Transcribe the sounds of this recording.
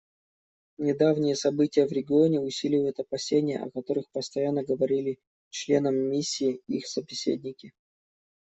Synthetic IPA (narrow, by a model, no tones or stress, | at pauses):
nʲɪd̪avnʲɪjəsɐbɨtʲɪjəvɾʲɪɡʲɪo̞nʲɪʊsʲilʲɪvəjʊt̪ɐpɐsʲenʲɪjə̰ʔɐ̰kɐt̪o̞ɾɨxpəst̪ɐjanːəɡəvɐɾʲilʲɪ | t͡ɕlʲe̞nəmːʲisʲːiːixsəbʲɪsʲḛdʲnʲɪkʲɪ